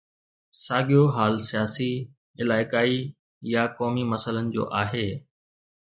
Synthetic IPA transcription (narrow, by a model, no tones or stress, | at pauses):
saːɠijoɦaːlsijaːsi | ɪlaːɪkaːi | jakɔːmimɐsələnɪ̆d͡ʑo̰ːʔaːɦeː